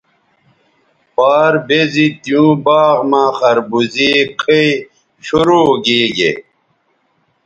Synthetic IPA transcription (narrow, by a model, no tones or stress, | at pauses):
paːɾbezit̪ijũːbaːɣmãːxɐɾbuziqʰii | ɕuɾuːɡiːɡḛ